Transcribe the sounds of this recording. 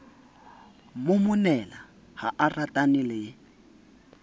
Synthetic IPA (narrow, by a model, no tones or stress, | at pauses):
mʊmʊnɛla | haʔaratʼanɪlɪ